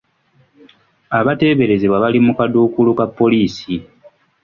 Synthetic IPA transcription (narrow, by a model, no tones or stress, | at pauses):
aβate̞ːβe̞ɾe̞zeβwaβalimukaduːkulukapːo̞liːsi